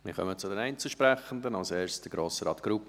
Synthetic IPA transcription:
mɪ̰χœ̰mət͡sʊdɛnæɪnt͡səʃpɾɛχən̩d̪ənɑlseːɹstəɡɾoːsəɾɑːt̪ɡ̥ɾup

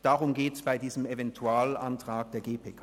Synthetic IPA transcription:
d̥aʁʊmɡeːtsb̥aɪdiːzəmevɛntʰuaːlantʁ̥aːk̚d̥eːɐɡeːpʰeːkʰ

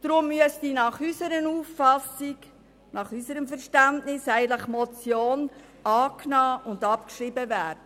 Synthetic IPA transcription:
d̥ɾʊmːyəsdiːnɑχysəɾənuːfːɑsik | nɑχysəɾəmfɛɾʃtæntnɪsæɪɡənləχmɔt͡sjoːn | ɑːknɑːʔʊndɑpkʃɾibəvæːɾd̥ə

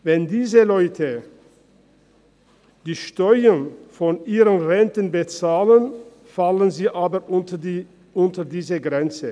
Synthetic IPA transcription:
vɛndiːzəlɔʏtʰə | d̥iːʃtɔʏənfɔnʔiːʁənʁɛntənbət͡saːlən | falənziːʔaːbɐʊ | ʔʊntədiːzəɡʁɛnt͡sə

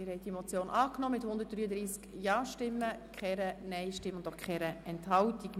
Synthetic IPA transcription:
ɪɾhɛɪd̥imot͡sjoːnʔɑːknɔmɪthʊnd̪ət̚d̥ɾyːəd̪ɾiːskjɑːʃtɪmːəkχɛɾənɛɪʃtɪmːəʊnd̪okχɛɾəɛnthɑwtik

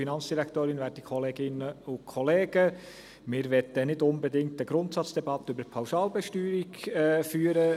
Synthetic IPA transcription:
finɑnt͡sd̥iɾæktoːɾɪnʋɛːd̚əkʰɔleːɡɪnəʊkʰɔleːɡə | mɪːɾʋɛt̪ənɪdʊnbɛdɪŋktəɡ̥ɾʊntsɑt͡sd̥ɛbɑt̪ːəybəpʰaʊsɑːlbɛʃtyːɾiɡfyːəɾə

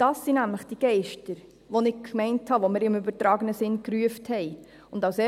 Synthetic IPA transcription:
d̥ɑsːinæmləχd̥iɡ̥ɛɪʃtəɾ | ʋonɪɡ̥̚kʰmɛɪnthɑʋomɪɾɪmʏbəɾtɾɑːɡənəsɪnkɾyəfthɛɪ | ʊndɑʊsɛ

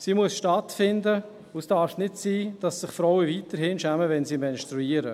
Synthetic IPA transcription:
siːmuəsʃtɑtfɪndə | usd̥aɾfnɪtsiːd̥ɑsːɪχfɾɔwəviːtəɾhɪnʃæməvɛnsiːmɛnʃtɾuiːəɾə

